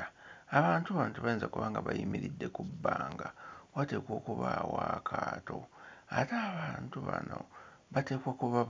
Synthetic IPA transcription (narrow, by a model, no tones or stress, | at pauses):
aβaːntuβaːntuβajenzakuβaːŋɡaβajimiɾidːe̞kubːaːŋɡawate̞ːkwo̞ːkuβawaːkʰaːto̞̰ataːβaːntuβanoβate̞ːkwokuβa